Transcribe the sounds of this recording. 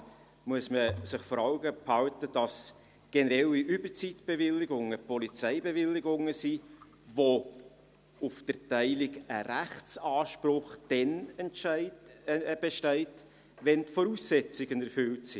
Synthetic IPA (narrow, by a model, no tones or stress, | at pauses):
muəsməsɪχfɔɾɑlɡəphɑltəd̥ɑs | ɡ̥ɛnəɾɛliʔʏbət͡sitb̥evɪlːɪɡʊŋəpɔlit͡sæɪbevɪlːɪɡʊŋəsi | vo | ʊfd̥ərtæɪlɪɡəɾæχt͡sɑːʃpɾʊχd̥ɛnɛnɪ | b̥ɛʃtɛɪt | vɛntfɔɾuːsɛt͡sɪɡ̥ənɛɾfʏltsi